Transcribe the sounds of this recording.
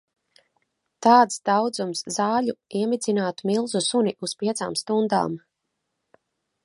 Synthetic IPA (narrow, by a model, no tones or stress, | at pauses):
t̪aːt̪sd̪awd̪zumszaːʎuiɛmid̪zinaːt̪umilˠzusunʲiʔuspʲiɛt̪sa̰ːmst̪und̪a̰ːm